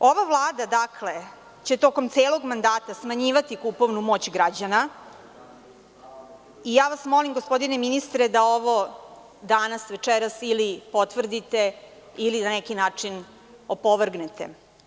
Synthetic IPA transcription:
o̞ʋaʋlˠaːd̪ad̪akʰle̞ | t͡ɕe̞t̪o̞ko̞mt̪seːlo̞ɡmand̪aːt̪asmaɲiːʋat̪ikupo̞ʋnumo̞t͡ɕɡɾad͡ʑana | ijaːʋasmo̞limɡospo̞d̪ineminist̪ɾed̪ao̞ʋo̞ | d̪anasʋet͡ʂeɾasilipo̞t̪ʋr̩d̪it̪e | ilinanɛkinaːt͡ʂin | o̞poʋr̩ɡnet̪e̞̰

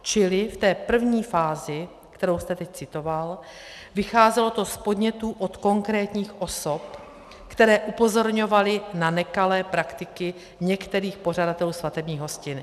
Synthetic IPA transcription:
t͡ʃɪlɪft̪ɛːpr̩vɲiːfaːzɪ | kt̪ɛɾowst̪ɛt̪ɛc̚t͡sɪt̪o̞val | vɪxaːzɛlo̞t̪o̞spo̞dɲɛt̪uːʔo̞t̪ko̞ŋkɾɛːt̪ɲiːxʔo̞so̞p | kt̪ɛɾɛːʔupo̞zo̞ɾɲo̞valɪnanɛkalɛːpɾakt̪ɪkɪ | ɲɛkt̪ɛɾiːxpo̞r̝adat̪ɛluːsvat̪ɛbɲiːɣɦo̞scɪn

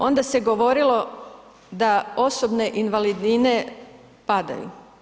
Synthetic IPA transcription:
o̞nd̪aseɡo̞ʋo̞ɾilˠo̞ | d̪ao̞sobne̞ʔinʋalid̪nine | pad̪a̰jṵ

